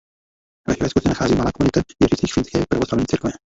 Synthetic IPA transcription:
vɛ̰xvɛskusɛnaxaːziːmalaːkonɪt̪avjɛrɪt͡siːxfɪnskɛːpɾavoslavɲiːt͡siɾkvɛ

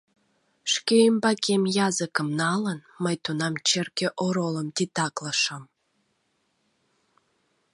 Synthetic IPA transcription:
ʃkeəmbɑkʰemjɑzəkəmnɑlənməjt̪unɑmt͡ɕerkeʔoɾoləmt̪it̪ɑkləʃəm

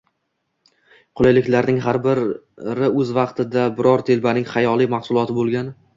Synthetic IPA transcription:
qʰʊlˠajlɪkʲlaɾnɪŋɦaɾbɪɾ | ɾɪɵzvɑqt̪ʰɪd̪abɪɾɒɾt̪ʰe̞lbanɪŋχajɒlˠijmɑχsʊlˠɒt̪ʰɪbolˠɡʲan

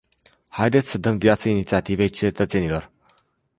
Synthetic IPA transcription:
hajd̪et̪sʲsəd̪əmvijat̪səinit̪siat̪ivejt͡ʃe̞t̪ət̪se̞nilo̞r

